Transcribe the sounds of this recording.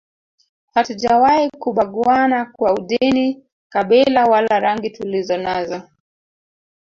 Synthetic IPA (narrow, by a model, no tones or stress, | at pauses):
hatud͡ʒawahikuɓaɠuanakwauɗini | kaɓɛlawalaɾaŋɡitulizɔnazɔ